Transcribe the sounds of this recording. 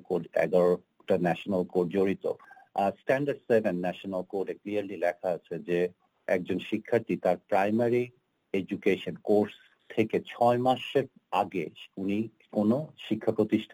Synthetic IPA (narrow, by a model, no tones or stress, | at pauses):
koʈɛ̰ɡaɾo | ʈanɛʃonalkoʈd͡ʑoɾit̪o̰sʈɛnɖaɖsebenːɛʃonalkoʈekliaɾlilɛkʰaat͡ɕʰed͡ʑe | ɛk̚d͡ʑonʃikʰːaɾt̪it̪aɾpɾajmaɾi | ed͡ʑukeʃonkoɾs | t̪ʰeket͡ɕʰɔemaʃeɾ | aɡeuni | konoʃikʰːapɾot̪iʃʈʰ